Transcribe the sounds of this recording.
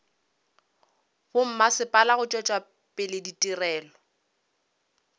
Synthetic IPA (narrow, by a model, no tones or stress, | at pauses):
bʊm̩masɪpʼalaɣʊt͡ʃʼɛt͡ʃʼwa | pʼɪlɪditʼirɛːlɔ